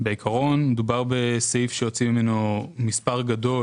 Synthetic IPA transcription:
beikʰaʁo̞nmedubaʁbe̞seifʃeot͡simime̞nomispaʁɡado̞

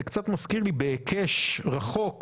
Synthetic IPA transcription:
ekt͡sat̪maskiʁlibeːkʰeʃʁaχo̞k

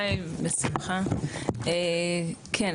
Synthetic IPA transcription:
jmesimχa | ekʰen

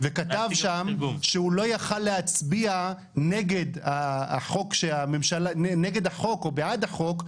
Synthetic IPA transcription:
vekatavʃamʃeulo̞jaχalːehat͡sbia | neɡe̞d̪aːχo̞kʃeamemʃalaeneɡe̞d̪aχo̞ko̞beʕad̪aχo̞k

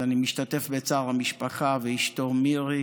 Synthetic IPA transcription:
animiʃtat̪efbet͡saːʁamiʃpaχaveiʃtomiʁi

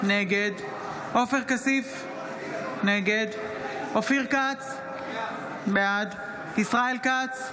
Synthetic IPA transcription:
neɡed̪ | ʔofeʁkasif | neɡed̪ofiʁkat͡s | bead̪ | isʁaelkat͡s

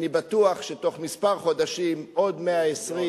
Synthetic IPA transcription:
nibat̪uaχʃet̪o̞χmispaʁχo̞d̪aʃimʔo̞d̪meaesʁi

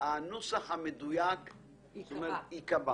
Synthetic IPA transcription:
anusaχamed̪ujak | tomeɾikaba

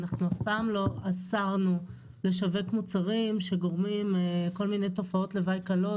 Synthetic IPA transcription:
naχnuafpaːmlo̞asaʁnu | le̞ʃave̞kmut͡saʁimʃe̞ɡo̞ʁmimko̞lmine̞jto̞fao̞tle̞vajkalo

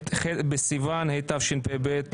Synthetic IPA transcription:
χebesivanhejt̪avʃenpebet̪

